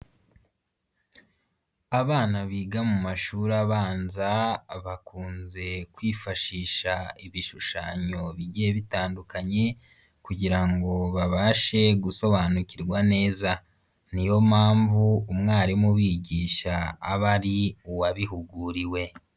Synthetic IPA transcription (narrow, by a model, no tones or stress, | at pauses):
aβaːnaβiːɡamumaʃuːɾaβaːnzaβakuːnze̞kwiːfaʃiːʃaiβiʃuʃaːɲo̞βiɟijeβitaːndukaɲe̞ | kuɟiɾaŋɡo̞βaβaːʃe̞ɡuso̞βaːnuciɾɡwane̞ːza | nijo̞maːɱvuːmŋaːɾimuβiːɟiːʃaːβaɾiuwaβiɦuɡuɾiwe̞